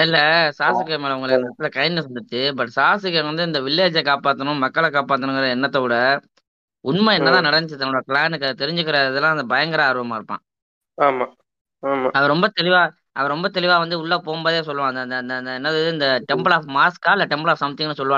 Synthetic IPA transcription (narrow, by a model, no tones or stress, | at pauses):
ɪlːɐsaːsɯkːɐmeːlɐʊŋɡɐɭɯkːnɐt̪ːɯlɐkɐjɪnːɯsɐnd̪ɯt̪ːɯbɐʈːsaːsɯkːɐʋɐnd̪ɯɪnd̪ɐʋɪlːeːd͡ʒɐkaːpaːt̪ːɐnʊ̃mɐkːɐɭɐkaːpaːt̪ːɐnʊ̃ŋɡɐɾɐɛnːɐt̪ːɐkuːɽɐ | ʊnmɐɛnːɐt̪ãːnɐɽɐɲɪt͡ʃɯt̪ːɐnɽɐkɪɭaːnɯkːɐt̪ɛɾɪɲd͡ʒɯk̬ːɪɾɐɪðɐlːãːɐnd̪ɐbɐjɐŋɡɐɾãːɐɾɯʋɐmaːɪɾɯpːã̰ː | aːmaː | aːmaːɐʋɐɾɔmbɐt̪ɛlɪʋaː | ɐʋɐɾɾɔmbɐt̪ɛlɪʋaːʋɐnd̪ɯʊɭːɐpoːmbɐːðeːs̬ɔlːɯʋãːɐnd̪ɐnd̪nd̪nd̪ɐɛnːɐðɯðɯɪnd̪ɐʈɛmbɐɭaːfmaːskaːlɐʈɛmbɐɭaːfsɐmɐt̪ːɪŋɐnːɯsɔlːɯʋaː